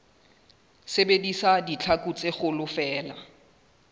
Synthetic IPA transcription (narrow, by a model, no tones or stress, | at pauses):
sebedisadit͡ɬʰakʼut͡sʼɪχʊlʊfɛːla